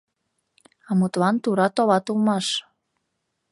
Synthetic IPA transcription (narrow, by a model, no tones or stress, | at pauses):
ɑmut̪lɑnt̪uɾɑt̪oβɑt̪ulmɑʃ